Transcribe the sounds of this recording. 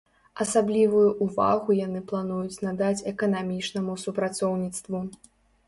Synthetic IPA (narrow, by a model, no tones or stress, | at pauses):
ɐsablʲivujuʔːva̰ɣujanɨplˠanujut͡sʲnad̪at͡sʲɛkɐnamʲit͡ʂnɐmusupɾat̪sɔwnʲit̪st̪vu